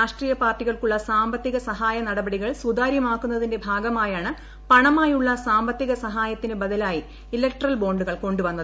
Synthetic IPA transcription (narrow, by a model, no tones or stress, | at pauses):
ɾaːʂʈriːjɐpaːrʈːiɣɐɭkuɭːɐsaːmbɐt̪ːiɣɐsɐɦaːjɐnɐɽɐbɐɽiɣɐɭsud̪aːɾjɐmaːkːunːɐðinde̞bʱaːɡɐmaːjaːɳɨ | pɐɳɐmaːjuɭːɐsaːmbɐt̪ːiɣɐsɐɦaːjɐt̪ːinɨbɐd̪ɐlaːji | ilek̚ʈrɐlbo̞ːɳɖuɣɐɭko̞ɳɖuʋɐnːɐðɨ